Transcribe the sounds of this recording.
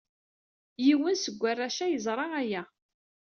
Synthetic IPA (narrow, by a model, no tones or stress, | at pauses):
jiwənsəɡʷːarːæʃæjəzˤɾˤɑæjæ